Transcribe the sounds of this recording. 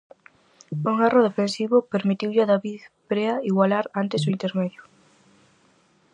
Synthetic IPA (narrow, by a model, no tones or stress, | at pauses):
uŋaroðefensiβʊpeɾmit̪iwʎɪaðaβiðpɾeaiɣwalaɾant̪esoint̪eɾmɛðjʊ